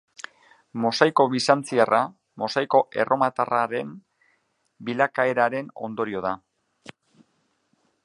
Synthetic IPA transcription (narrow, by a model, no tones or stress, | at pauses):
mo̞sajko̞βisant͡siarʔa | mo̞sajko̞ʔe̞̰rʔo̞mat̪araɾe̞m | bilakae̞ɾaɾe̞no̞̰nd̪o̞ɾio̞ð̞a